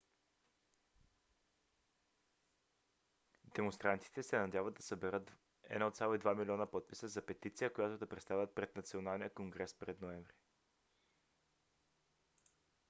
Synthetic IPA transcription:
d̪ɛmonst̪ɾant̪i̥t̪ɛsɛnɐd̪javəd̪ɐsɐbɛɾət̪ː | ɛ̰nɔt̪sʲalˠoid̪vamilʲiɔnəpɔt̪̚pisəzɐpɛt̪it̪sijəkojat̪od̪ɐpɾɛt̪st̪avʲət̪̚pɾɛd̪nɐt̪sionalˠnijəkoŋɡɾɛspɾɛd̪noɛɱvɾi

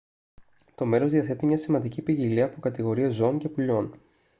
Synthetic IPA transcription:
t̪o̞me̞ɾo̞zðiɐθe̞t̪imɲɐsimɐnd̪icipiʝiliɐːpokɐt̪iɣo̞ɾiezo̞oɲce̞puʎo̞n

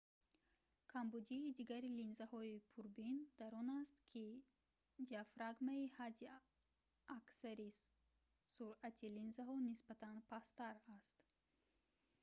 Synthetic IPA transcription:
kʰambud̪iːd̪iɡaɾilinzahɔipʰuɾbind̪̥aɾɔnast̪kʰi | d̪iafɾaɡmaihad̪i | aksaɾi | suɾat̪ʰilinzaɦɔnisbat̪ʰanpʰast̪aɾast̪

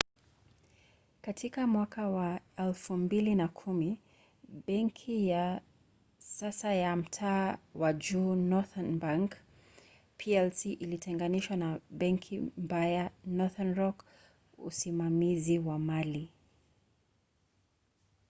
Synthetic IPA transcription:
katʰikamwakawaɛlfumbilinakʰumi | ɓɛŋkʰija | sasajam̩tʰaːwaʄuːnɔθanbaŋk | pʰiɛlsiʔilitʰɛŋɡaniʃwanaɓɛŋkʰim̩bajanɔθanɹɔk | ṵsimamiziwamali

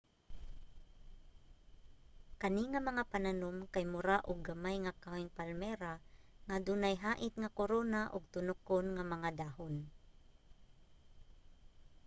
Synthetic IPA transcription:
kɐniŋɐmɐŋapananomkajmʊɾaʔʊɡamajŋakawɪŋpalmɛɾaŋad̪unajɦaːʔɪt̪̚ŋakoɾoːnaʔʊɡ̚t̪ʊnʊkonŋamɐŋad̪aːhon

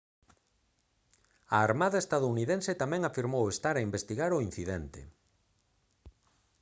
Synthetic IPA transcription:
aːɾmaðɐest̪aðouniðenset̪amɛ̃ŋafiɾmowest̪aɾaimbest̪iɣaɾʊin̟θiðɛnt̪ḛ

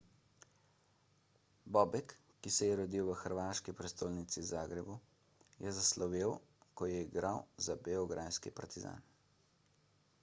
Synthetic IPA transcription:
bɔːbɛkː | isɛjɛɾɔd̪iːwʋəxəɾʋaːʃkipɾɛst̪oːlnit̪sizaːɡɾɛbu | jɛzaslɔʋiːwkɔjɛiɡɾawzabeɔɡɾʔaːjskipaɾt̪iza̰ːn

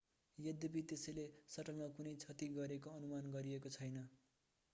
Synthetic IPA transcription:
jʌd̪ʌbit̪esʌjlesʌʈʌlmʌkunʌjt͡sʰʌt̪iɡʌɾekoʌnumanɡʌɾiekot͡sʰʌjnʌ

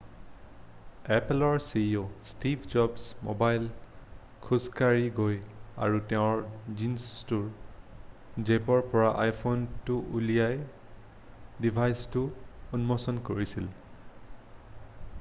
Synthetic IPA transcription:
ɛplɔɹsiostibʱd͡ʒɔbsmo̰bajl | kʰuskaɹiɡoja̰ɹuteʊ̃ɹzinstuɹ | zepɔɹpɔɹaʔajpʰontuʔulijaj | dibʱajstʊunmɔsɔnkoɹisil

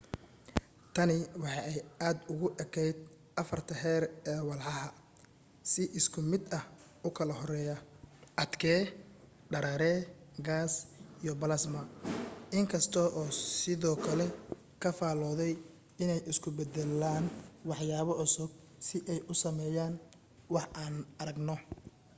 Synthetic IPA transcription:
t̪ʰɐnɪwɑħɑʔɛjaːd̪ʊɣʊʔɛkʰɛjd̪̚ | ʔɐfɐrt̪ʰɐɦɛːɾɛːwɑlħɑɦɐ | sɪʔɪskʰʊmɪd̪ɐh | ʊkʰɐlɐɦɔɾɛːjɐʔɐd̪kʰɛː | ɖɐɾɐɾɛːɡaːsijɔbɐlɐsmɐʔɪŋkʰɐst̪ʰɔʔɔːsɪðɔːkʰɐlɛ | kʰɐfaːlɔːðɛj | ɪnɛjɪskʰʊbɛd̪ɛlaːnwɑħjaːβɔʕʊsʊb̚ | sɪʔɛjʔʊsɐmɛːjaːn | wɑħʔaːnɐɾɐɡnɔ

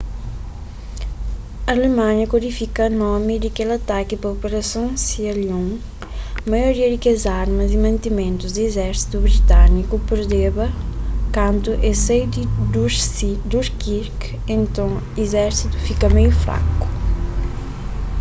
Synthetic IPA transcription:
ɐlemãɲɐkuɾifikɐnɔmid̪ɪkelɐt̪akipɐopeɾɐsɐ̃w̃siɐljõ | mɐjoɾiɐd̪ɪkezaɾmɐzimɐ̃nt̪imẽnt̪uzd̪ɪezɛɾsi̥t̪uβɾit̪anikupeɾd̪eβɐkɐ̃nt̪uʔesejd̪id̪usid̪uʃkiɾk | ẽnt̪ɐ̃w̃ | izɛɾsit̪u̥fikɐmejufɾa̰ku̥

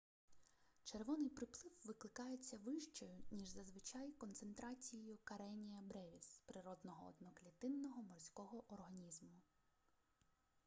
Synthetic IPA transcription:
t͡ʃerʋɔnɪjpɾɪplˠɪwʋɪklˠɪkɑjet͡sʲːɐʋɪʃt͡ʃɔjʊnʲiʒzɐzʋɪt͡ʃɑjkɔnt̪se̞nt̪ɾɑt͡sʲijijʊkɐɾɛnʲijɐbɾɛʋʲispɾɪɾɔd̪nɔɦɔɔ̰d̪nɔklʲit̪ɪnːɔɦɔmɔrsʲkɔɦɔʔɔrɦɐnʲizmʊ

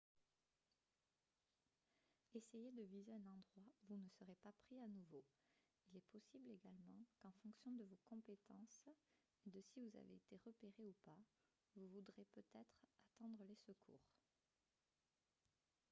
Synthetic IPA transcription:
esejed̪əvizeɛ̃nɑ̃d̪ʁwauvunəsəʁepapχianuvo | ilɛpɔsibleɡalmɑ̃kɑ̃fɔ̃ksjɔ̃d̪əvokɔ̃pet̪ɑ̃s | ed̪əsivuza̰vḛet̪eʁəpeʁeupa | vuvud̪ʁepøt̪ɛt̪χat̪ɑ̃d̪ʁəlesəkʰṵːʁ

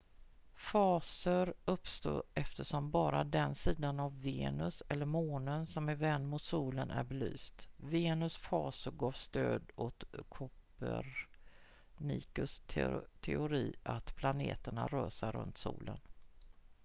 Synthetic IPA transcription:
fɑːsəɾɵpst̪oːʔɛft̪əʂɔmbɑːɾad̪ɛnsiːd̪anavːeːnɵsɛlːəɾmoːnənsɔmɛvɛnːmʊt̪suːlənʔæ̰ɾbɛly̰ːst̪veːnɵsfɑːsʊɾɡɑːvst̪øːd̪ɔt̪kʰʊpəɾ | nḭːkɵst̪ʰt̪ʰɛʊɾiːat̪pʰlaneːt̪əɳa̰ɾøːsaɾːɵ̰nt̪sṵːlʔə̰n

